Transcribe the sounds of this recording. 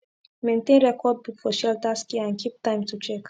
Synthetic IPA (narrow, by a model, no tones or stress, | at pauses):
mẽnt̪ẽnɹɛkɔd̚bifɔʃɛltaskiãnkʰip̚tãɪ̃mtut͡ʃɛk